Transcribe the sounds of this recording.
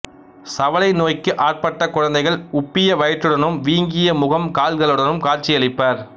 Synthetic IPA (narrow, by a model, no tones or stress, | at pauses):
sɐʋɐlɐɪnoːjkːɯʔaːr̚pɐʈːɐkʊɻɐnd̪ɐɪɣɐɭʊpːɪjɐʋɐjɪʈːɯɽɐnɯmʋiːŋɡɪjɐmʊɣɐmkaːlɣɐɭɔɽɐnɯmkaːɾt͡ʃɪjɐɭɪpːɐːɾ